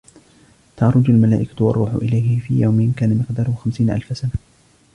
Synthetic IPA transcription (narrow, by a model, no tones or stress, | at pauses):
t̪ɑʕɾˤʊd͡ʒalmalaːʔɪkawɑ̰rˤːuːħʊ̰ʔɪ̰lajɦɪfḭːja̰wmɪnkaːnamɪqd̪ɑːɾˤʊhʊxamsiːnʔa̰lfasana